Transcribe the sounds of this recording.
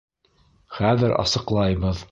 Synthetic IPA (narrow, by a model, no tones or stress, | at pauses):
χæðɘɾɑ̰sɤ̆qlˠɑjβɤð